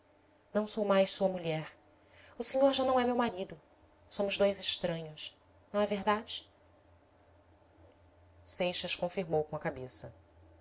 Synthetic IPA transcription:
nɐ̃w̃sowmajʃsuɐmuʎɛɾ | ʊseɲoɾʒanɐ̃w̃ɛmewmaɾid̪ʊ | sõmʊzd̪ojzɪʃt̪ɾɐ̃ɲʊs | nɐ̃w̃ɛveɾd̪ad͡ʒɪ̥ | sejʃɐskõfiɾmowkõɐkabesɐ

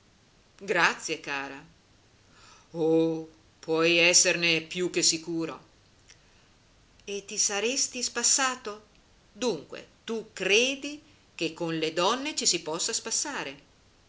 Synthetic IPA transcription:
ɡɾat̪sːjekaːɾa | o | pwɔjɛsːernepjuk̟ːesːikuːɾo̰ | et̪ːisaɾest̪ispasːaːt̪o | d̪uŋkwḛt̪ukɾeːd̪i | k̟ekːonled̪ɔnːet͡ʃisipɔsːaspasːaːɾe

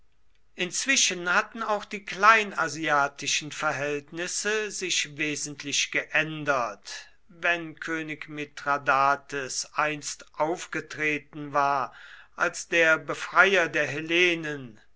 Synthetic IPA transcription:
ʔɪnt͡sv̥ɪʃənhatn̩aʊxd̥iːkl̥aɪnaziaːtɪʃən̩fɛɐɦɛltnɪsəzɪʃveːzn̩tʰlɪʃɡ̥əʔɛndɐt | vɛnkʰøːnɪkmetʁ̥adaːtəsʔaɪnstʔaʊfɡ̥ətʁ̥eːtn̩vaːɐʔalsd̥eːɐbəfʁ̥aɪjɐdeːɐɦeleːnən

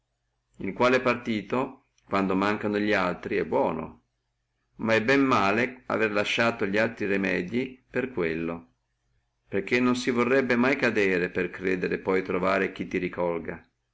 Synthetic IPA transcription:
ilkwaːlɛpart̪iːt̪o | kwand̪omaŋkanoʎialt̪ɾiɛbːwɔːno̰ | maɛbɛmːaːlea̰verlaʃːaːt̪oʎialt̪ɾirimɛːd̪jiperkwelːo | perk̟ːenːonsivorːɛbːemajkad̪ɛːɾeperkɾɛːd̪eɾepɔjt̪ɾovaːɾek̟it̪ːiɾikʰɔlɡa

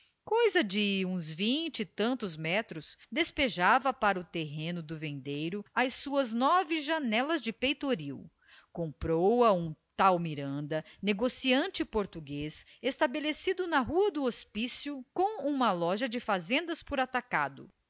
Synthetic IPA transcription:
kojzɐd͡ʒɪũzvĩt͡ʃɪt̪ɐ̃nt̪ʊzmɛt̪ɾʊsd̪espeʒavɐpaɾɐʊt̪eɦẽnʊd̪ʊvẽnd̪ejɾʊɐjsuɐznɔvɪʒanɛlɐzd͡ʒɪpejt̪oɾiw | kõmpɾowɐũt̪awmiɾɐ̃nd̪ɐneɡosiɐ̃t͡ʃɪpoɾt̪uɡesest̪abelesid̪ʊnɐɦuɐd̪ʊospisjʊkõw̃ũmɐlɔʒɐd͡ʒɪfazẽnd̪ɐspʊɾat̪aka̰d̪ʊ̰

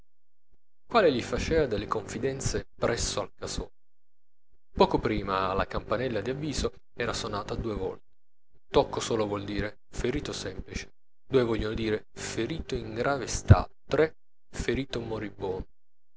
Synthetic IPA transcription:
kwaːleʎifat͡ʃɛːvad̪elːekoɱfid̪ɛnt̪sepɾɛsːoalkasɔː | pɔːkopɾiːmala̰kampanɛlːad̪iavːiːzo | ɛːɾasonaːt̪ad̪uːevɔ̰lt̪e̥ | t̪ɔkːosoːlovwɔld̪iːɾe | feɾiːt̪osɛmplit͡ʃe̥ | d̪̥uːevɔʎːonod̪iːɾe | feɾiːt̪oiŋɡɾaːvest̪a̰t̪ːɾɛ | feɾiːt̪omoɾibːɔːn

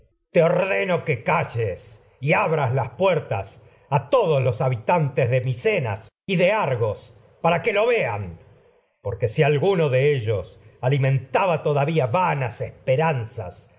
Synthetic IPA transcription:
t̪eo̞ɾðenokekaʒes | iaβɾazlaspweɾt̪as | at̪o̞ðoslosaβit̪ant̪ezðe̞misena̰s | iðe̞aɾɣo̞s | paɾake̞lo̞βe̞an | poɾke̞sialɣunoðeeʒosalimẽ̞nt̪aβat̪o̞ðaβiaβanasespeɾansa̰s

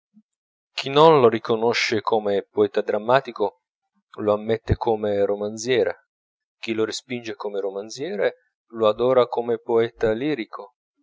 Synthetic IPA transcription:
k̟ʰinːonloɾikonoʃːekʰomepoɛːt̪ad̪ɾamːaːt̪iko | loamːɛt̪ːekʰomeɾomant̪zjɛːɾḛ | k̟iloɾespind͡ʒekomeɾomansjɛːɾe | load̪ɔːɾakomepoɛːt̪aliːɾikʰo

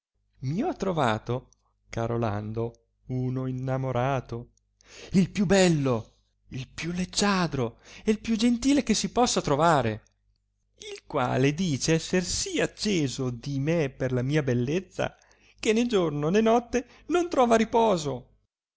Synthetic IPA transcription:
miɔt̪ːɾova̰ːt̪o | kaɾola̰nd̪o | uːnoinːamoɾaːt̪o | ilpjubɛlːo | ilpjulːed͡ʒːaːd̪ɾoeilpjud͡ʒent̪iːlekesːipɔsːat̪ɾovaːɾe | ilkwa̰ːled̪iːt͡ʃeɛsːersiat͡ʃːeːzod̪imeperlamiːabelːet̪sːa̰ | kened͡ʒornonenɔt̪ːe | nont̪ɾɔːvaɾipɔːzo

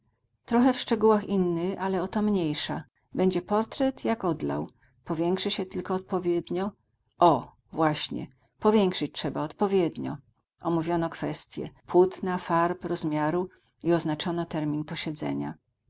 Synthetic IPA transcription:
t̪ɾɔxɛfʂt͡ʂɛɡuwaxinːɘxalɛɔt̪ɔmɲejʂa | bɛɲd͡ʑɛpɔɾt̪ɾɛt̪jakɔd̪la̰w | pɔvʲjɛŋkʂɘɕɛt̪ɘlkɔːt̪̚pɔvʲjɛd̪ɲɔ | ʔɔ | vwaɕɲɛ̰ | pɔvʲjɛŋkʂɘt͡ɕtʂɛbaɔt̪pɔvʲjɛd̪ɲɔ̰ | ʔɔmuvʲjɔnɔkfɛst̪ʲjɛ̰pwut̪nafaɾpɾɔzmʲjaɾu | iɔznat͡ʂɔnɔt̪ɛɾmʲinpɔɕɛd̪zɛ̰ɲa

